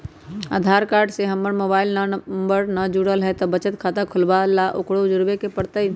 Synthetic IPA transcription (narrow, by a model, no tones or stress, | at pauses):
a̰ːd̪ʱaːɾkaːɾɖseɦəmbəɾmoːbaːɪlnmbəɾnəd͡ʒuɽəlɦɛt̪ɔbət͡ʃət̪kʰaːt̪akʰʊlbalaʔokɽod͡ʒʊɾbekepəɽt̪əi